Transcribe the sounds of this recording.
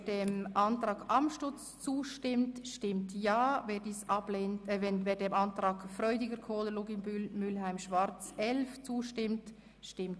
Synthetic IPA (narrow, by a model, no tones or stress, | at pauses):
deːmʔɑntɾɑːɡɑmʃtʊt͡st͡suːʃtɪmtʃtɪmtjɑːveːdiːsɑbleːntɛnveːdeːmɑntɾɑːɡ̥fɾœʏdɪɡəɾkʰoːləloɡɪmbylmʏlɦæɪmʃvɑɾt͡sɛlft͡suːʃtɪmt | ʃtɪmt